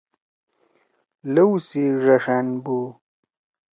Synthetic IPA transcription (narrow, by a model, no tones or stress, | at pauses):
lɐwsiʐɐʂanbu